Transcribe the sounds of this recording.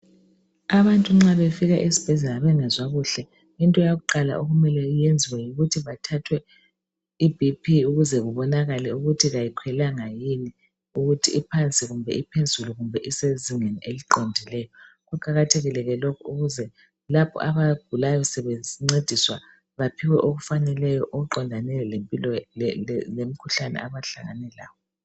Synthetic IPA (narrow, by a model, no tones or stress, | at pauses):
aβantʼuŋ͡ǁaβefiɣaʔesi̥b̥ʱɛzɛlaβɛŋɛzʷaɣuɬɛ | intʼɔjaɣuǃala̰ʔoɣumɛlɛjend͡zʱiwajiɣutʰiβatʰatʰwɛ | ibʱipʰiuɣuzɛɣuβɔnaɣalɛuɣutʰiɣajikʰwɛlaŋajini | uɣutʰiipʰant͡sʼiɣumbʱɛ̰ipʰend͡zʱuluɣumbʱɛʔiseziŋeniʔeliǃɔndʱilɛjɔ | ɣuǃ̥ʱaɣatʰeɣilɛɣɛlɔkʰɔuɣuzɛ | lapʰɔ̰aβaɡ̥ʱulajɔsɛβeŋ͡ǀed̥ʱiswa | βapʰiwɛʔoɣufanɛlɛjɔʔoɣuǃɔndʱanɛlɛlempʼilɔ | lem̩kʰuɬanɛ̰aβaɬaɣa̰nɛla̰ːjɔ